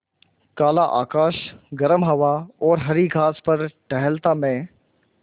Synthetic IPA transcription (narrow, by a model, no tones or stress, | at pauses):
kaːlaʔa̰ːkaːʃɡɐɾəmɦɐʋaɔːɾɦɐɾiɡʱaːspɐɾʈɐɦəlt̪amẽː